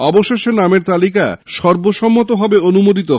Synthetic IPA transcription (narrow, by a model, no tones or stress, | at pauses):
ɔboʃeʃenameɾt̪alika̰ʃɔɾboʃɔmːot̪oɦɔbeonumod̪it̪o